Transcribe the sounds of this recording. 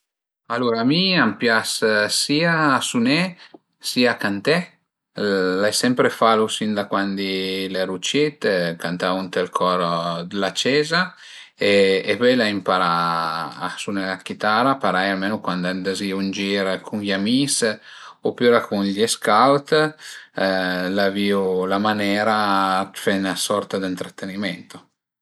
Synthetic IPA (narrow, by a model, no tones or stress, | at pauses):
aluɾaːmiampjassiːaːsunɛ | siakant̪ɛ | lajsɛmpɾefalusind̪akwand̪ileɾut͡ʃet̪kant̪aunt̪ɛlkʰɔɾd̪lat͡ʃɛːza | eepɛjlaimpaɾa̰ː | sunelakit̪aɾapaɾajalmeːnokwand̪and̪aziund͡ʒiːɾkʰunʎamisopyːɾakunʎeskawt̪ | laviulamanɛːɾafɛnasɔrt̪ad̪int̪ɾat̪ːenimɛnt̪o